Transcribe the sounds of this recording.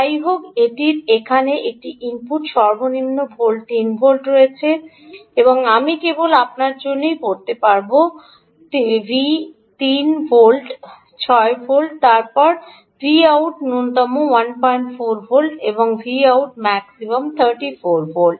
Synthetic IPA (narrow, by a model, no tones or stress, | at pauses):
ajɦokeʈiɾekʰaneʔek̚ʈiʔimpuʈʃɔɾbʱoninːobʱolʈt̪inbʱolʈɾoet͡ɕʰe | eboŋamikebolap̚naɾd͡ʑonːejkoɾt̪epaɾbo | t̪ibʱi | t̪inbolʈ | t͡ɕʰɔebolɖt̪aɾpɔɾ | fʰɾiawʈnunt̪ɔmːowanpɔjɳʈfoɾbʰʱolʈeboŋfʰɾiawʈmɛksimamt̪ʰəɾʈifoɾbolɖ